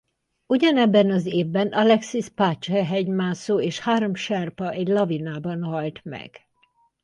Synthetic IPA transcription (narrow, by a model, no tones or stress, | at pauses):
uɟɒnɛbːɛnɒzeːvbɛnɒlɛksispaːt͡ʃɛɦɛɲmaːsoːeːʃhaːɾo̞mʃɛrpɒʔɛɟlɒvinaːbɒnɦɒlt̪mɛ̰ɡ̥